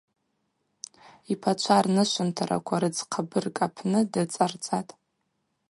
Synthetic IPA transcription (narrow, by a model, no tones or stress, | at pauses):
ipʰat͡ʃʷʰarnɨʃʷɨntʰaɾa̰kʷʰaɾɨd͡zqʰabɨrkʼapʰnɨdɨt͡sʼart͡sʼatʼ